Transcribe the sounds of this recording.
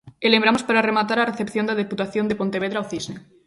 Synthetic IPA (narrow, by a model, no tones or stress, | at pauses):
elemɾamospaɾaremat̪aɾareθe̞pθjo̞nd̪að̞eput̪aθjo̞nd̪epo̞nt̪eβeðɾaoθizne